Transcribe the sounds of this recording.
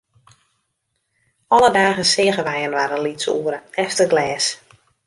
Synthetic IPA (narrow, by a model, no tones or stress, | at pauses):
ɔlədaːɣənsɪːɣəʋɛjənʋaːɾənlitsṵəɾəɛftəɡlɛːs